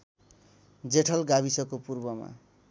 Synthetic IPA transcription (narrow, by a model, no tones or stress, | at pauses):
d͡zeʈʰʌlɡabisʌkopurbʌma̰